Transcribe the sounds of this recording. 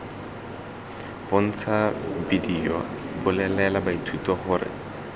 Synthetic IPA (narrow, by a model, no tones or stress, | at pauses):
b̥ʊn̩t͡sʰabidiɔbʊlɛlɛlabaitʰutɔχʊːrɪ̰